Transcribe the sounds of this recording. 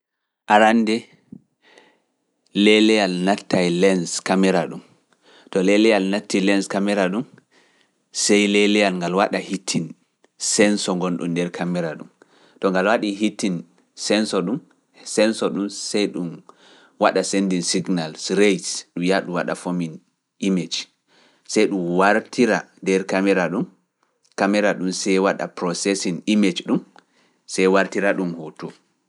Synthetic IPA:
ʔaɾandɛ | lɛlɛjalnatːajlɛnskamɛɾaɗum | tɔlɛlɛjalnatːilɛnskamɛɾaɗum | sɛjlɛlɛjalŋɡalwaɗahitʰːin | sɛnsɔŋɡɔnɗṵmdɛɾkʰamɛɾaɗum | tɔŋɡalwaɗiɦitːin | sɛnsɔɗum | sɛnsɔɗumsɛjɗum | waɗasendinsiɡnalsɾejsɗumjaɗuwaɗa̰fomin | ʔimed͡ʒ | sɛjɗumwaɾtʰiɾandɛɾkamɛɾaɗum | kamɛɾaɗumsɛjwaɗa̰pɾɔsɛsinimed͡ʒɗum | sɛjwaɾtiɾaɗumhotu

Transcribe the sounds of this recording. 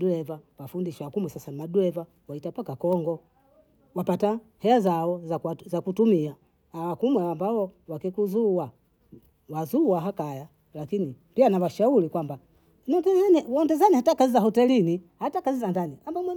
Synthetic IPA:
ɗuɛvawafundiʃawakumwɛsasanmaɗuɛva | waitapakakɔŋɡɔ | wapata | hɛazaɔzazakutumia | awakumwɛambaɔwakikuzua | wazuwaɦakaja | lakini | pianawaʃaulikwamba | nɔdɛzanwɔndɛzanihatakazizahɔtɛlinihatakazizandaniambamwɛ

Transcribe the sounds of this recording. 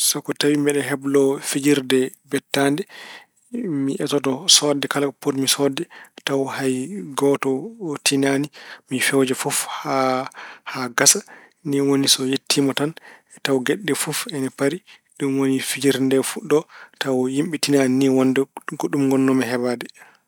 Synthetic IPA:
sɔkɔtawimbɛɗɛɦɛblɔfid͡ʒiɾdɛbɛtːandɛ | miʔɛtɔtɔsɔdɛkalapotmisɔdɛtawhajɡɔtɔtinanimifɛwd͡ʒɛfufha | haɡasa | niwonisɔjetʰːimɔtanɛtawɡɛɗːɛfufɛnɛpaɾi | ɗumwonifid͡ʒiɾndɛfuɗɔtawjimɓitinaniniwɔndɛɡoɗumɡɔnːɔmɛɦɛbadɛ

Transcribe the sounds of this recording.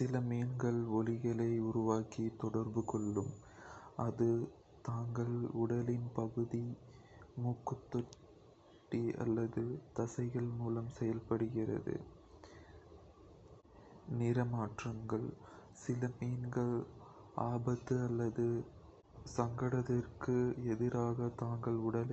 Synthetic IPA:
sɪlɐmiːnɡɐɭɔlɪɣɐɭɐɪʊɾʊʋaːkit̪ɔɽɐɾbɯkɔɭːɯm | ʔɐðɯ | t̪aːŋɡɐɭʊɽɐlɪnpɐɣɯði | muːkːɯt̪ːɔʈ | ʈːiɐ̰lːɐðɯt̪ɐsɐɪɣɐɭmuːlɐmsɛjɐlpɐɽɯɣɪrɐ̰ðɯ̰ | nɪɾɐmaːʈrɐŋɡɐɭsɪlɐmiːnɡɐɭ | aːbɐt̪ːɯɐlːɐðɯ | sɐŋɡɐɽɐðɐrkɯɛðɪɾaːɣɐt̪aːŋɡɐɭʊɽɐl

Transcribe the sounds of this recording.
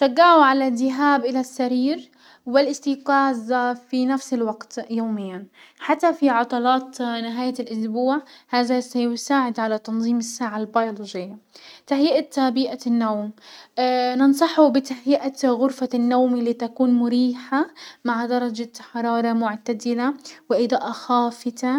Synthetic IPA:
ʃaɡːaʕuʕalad̪ːɪɦaːbʔɪlasːaɾiːɾ | wɪlʔɪst̪iːqɑːzfinafsɪlwaɡt̪joːmɪjːanħat̪ːafiʕɑt̪ˤɑlɑːt̪nɪɦaːjalʔʊsbuːʕhaːðasajʊsaːʕɪd̪ʕalat̪ɑnðˤiːmɪsːaːʕalbajolod͡ʒɪjːat̪aħjiːʔat̪abiːʔanːawm | nɪnsˤɑħubɪt̪aħjiʔaɣʊɾfanːawmilːiːt̪akuːnmʊɾiːħamaʕd̪ɑɾˤɑd͡ʒaħɑɾˤɑːɾˤɑmʊʕt̪ad̪ɪlawɪʔɪd̪ˤɑːʔaxaːfɪt̪a

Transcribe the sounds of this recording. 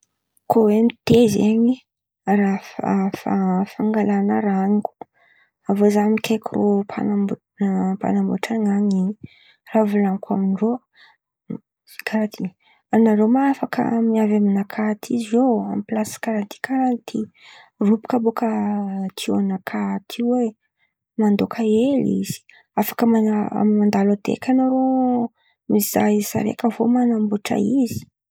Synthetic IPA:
kʰowemit̪ezeɲi | rafa̰fa̰faŋɡalanəɾaniku̥ | avozamikʲʰekurʔopʰa̰nam | pa̰nambo̰ʈ͡ʂaŋaɲi | ravulaŋkʰaminro | kʰaɾat̪ʰi | anaɾomaafakə̰miavaminakʰat̪ʰizizoa̰miplaskaɾant̪ʰi̥kʰaɾant̪ʰi | rupu̥kabokət̪ʰianakʰat̪ʰiwe | mand̪okʰaelḭz̥i̥ | afḁkmaa̰mimand̪alad̪ḛkʲanaɾo | miz̥a̰sa̰ɾḛkəvo̰manambuʈ͡ʂa̰izi̥

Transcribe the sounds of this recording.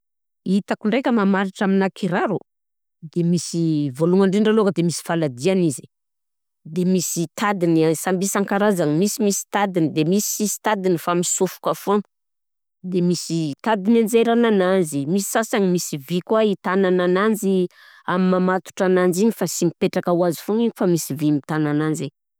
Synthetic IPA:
it̪akuɳɖ͡ʐejkʲəmamaɾiʈ͡ʂaminakʰiɾaɾu | d̪emisivoluŋaɳɖ͡ʐeɳɖ͡ʐalokəd̪emisi̥falad̪ianizi̥ | d̪emisit̪ʰad̪inasambisaŋkaɾazanimisimisi̥t̪ad̪inid̪emisiisi̥t̪ad̪inifamisufu̥kafon | d̪emisit̪ad̪inanzeɾanananzimisi̥sasaɲimisivikwait̪anananand͡ʒi | amimamat̪u̥ʈ͡ʂanand͡ʒiɲifasimipeʈ͡ʂakawazi̥fuŋiɲfamisivimit̪anananze

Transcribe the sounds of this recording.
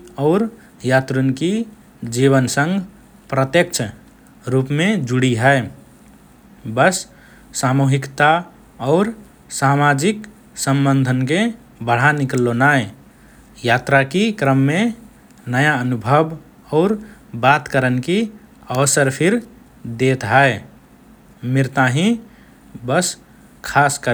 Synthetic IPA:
ɔʊɾ | jat̪ɾunki | d͡ʒiβənsə̃ŋɡ | pɾət̪jəkt͡ʃʰ | ɾupmed͡ʒuɽiɦɛe | bəsː | amuɦikt̪a | ɔʊɾ | samad͡ʒik | sə̃mbənd̪ʱənke | bəɽ̤anɪklːonae | jaːt̪ɾakikɾəmːẽ | nəjaənʊbʱəb | ɔːɾ | baːt̪kəɾənkiəʋsəɾpʰɪɾ | d̪eːt̪ɦɛe | mɪɾt̪aɦĩ | bəs | kʰaːskə

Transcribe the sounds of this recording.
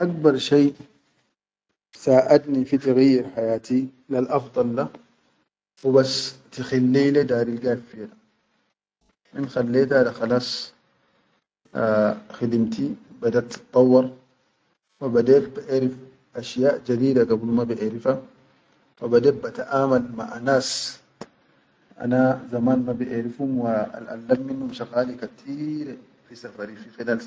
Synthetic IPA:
ʔak̚bɑɾˤʃeː | bsaːʔad̪nifit̪aɣajːɪɾħajaːt̪i | lalʔɑfd̪ˤɑlːa | wɪbast̪ixalːiːlad̪aːɾilɡaːfːila | ʔinxalːeːt̪alaxɑlɑːsˤ | xɪd̪imt̪iwbad̪aɾt̪ːɨ̥t̪ˤːɑwːɑɾˤ | wabad̪eːt̪̚baʔeːɾif | ʔaʃjaːʔd͡ʒad̪iːdaɡablumabiʔeːɾifa | wabad̪eːbat̪aʔaːmalmaʔanaːs | ʔa̰nazamaːnmabiʔeːɾifhumwaa̰lʔa̰lːabminhumʃaɣaːlikat̪ʰiːɾ | fisafaɾifixilal

